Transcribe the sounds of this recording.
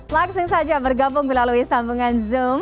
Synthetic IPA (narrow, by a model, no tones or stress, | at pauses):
blak̚sɪŋsad͡ʒabərɡabʊŋbilaluisambuŋanzum